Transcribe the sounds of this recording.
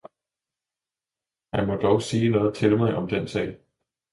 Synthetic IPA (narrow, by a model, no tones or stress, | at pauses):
hæmɒ̽d̥ɒʊsiːnɔ̽ːð̩ˠt͡sʰe̝lmɑɪʔɒ̽md̥ensɛ̰ɪ